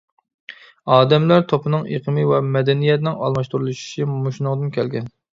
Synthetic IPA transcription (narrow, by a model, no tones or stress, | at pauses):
ɑːd̪ɛmlæɾt̪ʰopɨnɨŋeqʰəmɨwɛmɛd̪ɛnijɛt̪nɪŋɑ̰lˠmɑʃt̪uɾulˠuʃu̥ʃimuʃnɨŋd̪ɨnkʲʰɛlɡʲɛn